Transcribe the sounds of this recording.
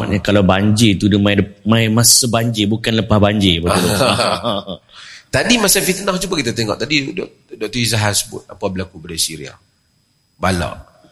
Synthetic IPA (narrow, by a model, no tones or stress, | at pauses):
a̰ʔɲakalabaɲd͡ʒɪt̪udəmãɪləmãimãsəbaɲd͡ʒɪbukanləpahbaɲd͡ʒɪbaulu | t̪adimasafit̪ənahd͡ʒubakit̪at̪eŋɔ̰ʔt̪adidɔ | dɔk̚t̪ɔizaɦasəbʊ̰t̪̚apabəlakubadasiɾḭa̰ | bala̰ʔ